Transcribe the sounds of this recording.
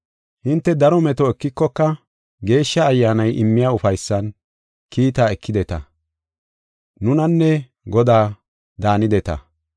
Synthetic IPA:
hɪnt̪ːɛd̪ɐɾɔmɛt̪ɔɛkːɪkːɔkːɐ | ɡe̞ːʃːɐːjːaːnɐjʔɪmːɪjaːʊfɐjsːɐn | kʰiːt̪aːɛkːɪd̪ɛt̪ɐ | nʊnɐnːɛ | ɡɔd̪aː | d̪aːnɪd̪ɛt̪ɐ̰

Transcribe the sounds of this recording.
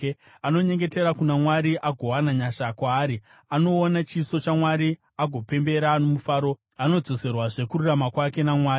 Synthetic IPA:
ano̞ɲe̞ŋɡe̞te̞ɾakunamwaɾiʔaɡʱo̞wanaɲaʃakwaːɾi | ano̞ːnat͡ʃiso̞t͡ʃamwaɾi | aɡʱo̞pe̞mbe̞ɾano̞mufaːɾo̞ | ano̞d͡zo̞se̞rwaʐe̞kuɾuramakwake̞namwaːi

